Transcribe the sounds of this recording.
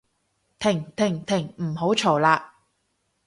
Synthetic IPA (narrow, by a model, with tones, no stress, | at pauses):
t̪ʰɪ˨˩ŋt̪ʰɪ˨˩ŋt̪ʰɪ˨˩ŋm̩˨˩ho˨˥wt͡ʃʰo˨˩wlaː˧